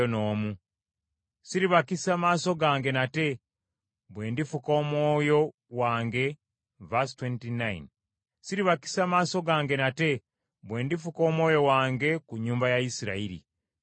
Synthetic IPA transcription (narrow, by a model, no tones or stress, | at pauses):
ono̞ːmu | siɾiβakisaːmaːso̞ɡaːŋɡe̞nate̞ | βwe̞ːndifuko̞ːmwo̞ːjo̞ | waːŋɡe̞ | vastwentinaj̰n | siɾiβaki̥saːmaːso̞ɡaːŋɡe̞nate̞ | βwe̞ːndifuko̞ːmwo̞ːjo̞waːŋɡe̞kuɲːuːmbajaisiɾa̰iɾḭ